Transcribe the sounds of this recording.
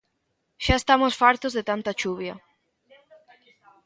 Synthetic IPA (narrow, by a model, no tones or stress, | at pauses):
ʃaest̪amosfaɾt̪ozðet̪ant̪at͡ʃuβjɐ̰